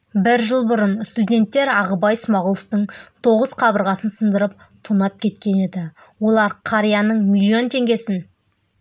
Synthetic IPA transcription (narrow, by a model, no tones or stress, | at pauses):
bɪɾʒəlˠbʊɾənst̪udʲe̞nt̪ːe̞ɾɑʁəbɑjsmɑʁʊlˠoft̪əɴt̪ʰo̞ʁəz̥qʰɑbəɾʁɑsənsənd̪əɾəp̚ | t̪ʰunɑp̚kʲʰe̞t̪kʲe̞ne̞d̪ɪ | wo̞lˠɑɾqʰɑɾijɑnəɴmʲilʲːio̞nt̪ʰe̞ŋɡʲe̞sɪn